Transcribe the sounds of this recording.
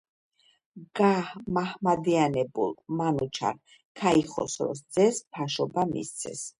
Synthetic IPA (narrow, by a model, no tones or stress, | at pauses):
ɡ̥ahmahmad̪ianɛbṵlˠmanut͡ʃʰa̰ɾ | kʰaiχɔ̰sɾɔ̰s̬d̪zɛspʰaʃɔbamḭst̪sʰɛ̰s